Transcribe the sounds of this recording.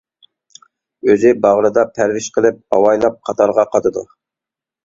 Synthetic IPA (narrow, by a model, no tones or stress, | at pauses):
øzɪbɑʁɾɨd̪ɑpʰæɾwɪʃqʰəlˠɪp̚hɑwɑjlˠɑp̚qʰɑt̪ʰɑɾʁɑqʰɑt̪ʰɨd̪u